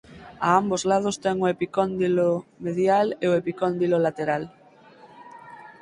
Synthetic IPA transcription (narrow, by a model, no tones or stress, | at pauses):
aambozlað̞ost̪ɛŋoepikond̪ilomeðjaleoepikond̪ilolat̪eɾal